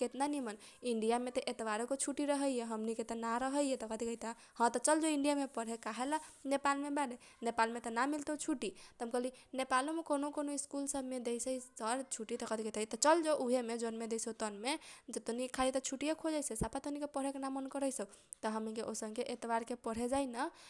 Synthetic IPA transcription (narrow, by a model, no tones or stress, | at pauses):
ket̪nanimən | iɳɖijamet̪ɔʔet̪baɾkot͡ʃʰuʈiɾəɦəjjeɦəmniket̪ɔnaɾəɦəjjet̪ɔkət̪ikəit̪a | hə̃t̪ɔt͡ʃəld͡ʒoiɳɖijamepəɽ̤ɦekaɦelanepalmebɛɖe | nepalmet̪ɔnamilt̪et͡ʃʰuʈit̪əɦəmkəlinepalomekonokonoiskulsəbʱmed̪ejsəisəɾt͡ʃʰuʈit̪ɔkət̪ikət̪ait̪ɔt͡ʃəld͡ʒoʔuɦemed͡ʒonmed̪eset̪ənmed͡ʒet̪onikʰalit̪ɔt͡ʃʰuʈijekʰod͡ʒəjsesapat̪onikepəɽ̤ekenamənkəɾəjsəu | t̪ɔɦəmnikeʔosə̃ŋkeʔet̪baɾkepəɽ̤ed͡ʒajnə